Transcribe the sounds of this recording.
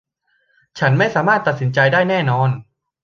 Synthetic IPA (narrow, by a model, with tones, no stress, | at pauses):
t͡ɕʰa˦˥nma˥˩jsaː˩˦maː˥˩t̪ːa˨˩t̪̚si˩˦nt͡ɕa˧jdaː˥˩jnɛː˥˩nɔː˧˥n